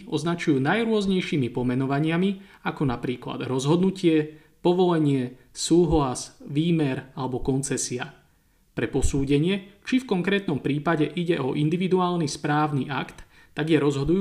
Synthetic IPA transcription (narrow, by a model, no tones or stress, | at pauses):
ɔznat͡ʃujuːnajɾʊɔzɲɛjʃiːmipɔmɛnɔʋaɲɪamiakɔnapɾiːkla̰d̪ɾɔzɦɔd̪nucɪɛ | pɔʋɔlɛɲɪɛ | suːɦlasʋiːmɛɾalɛbɔkɔnt͡sɛsia | pɾɛpɔsuːɟɛɲɪɛt͡ʃifkɔŋkɾɛːt̪nɔmpɾiːpaɟɛʔiɟɛʔɔʔind̪iʋid̪uaːlnispɾaːʊniʔakt̪ː | aɡjɛɾɔzɦɔd̪uj